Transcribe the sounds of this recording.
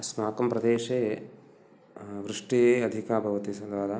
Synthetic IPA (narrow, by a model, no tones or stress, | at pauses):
snaːkɐmpɾɐd̪eːʃeː | ʋɾiʂʈijeːɐd̪ʱikaːbʱɐʋɐt̪isɐd̪ʋaːd̪a